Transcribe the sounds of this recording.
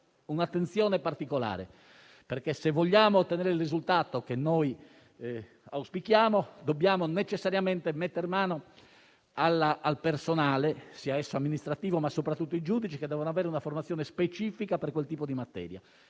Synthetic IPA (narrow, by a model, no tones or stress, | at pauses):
unat̪ːent̪sjɔːnepart̪ikola̰ːɾḛ | perkesevːɔʎːaːmot̪ːɛnɛːɾeilrizult̪aːt̪okenːoj | awspikjaːmod̪obːjaːmonet͡ʃɛsːaɾjamɛnt̪emet̪ːeɾmaːno | alːaːlpersonaːlesiːaɛsːoamːinist̪ɾat̪iːvomasːopɾat̪ːut̪ːoid͡ʒuːd̪it͡ʃiked̪ːɛːvonoavɛːɾeunaformat̪sjɔːnespet͡ʃiːfikaperkwelt̪iːpod̪imat̪ːɛ̰ːɾja̰